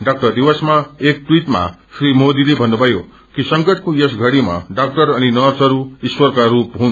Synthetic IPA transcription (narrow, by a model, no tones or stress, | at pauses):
ɖak̚ʈʌrd̪iwʌsmaek̚ʈwiʈma̰srimod̪ilebʱʌnːubʱʌjo | kisʌŋɡʌʈʰkojesɡʱʌɽima̰ɖak̚ʈʌɾʌninʌrsʌɾuiswʌrkaɾupɦũn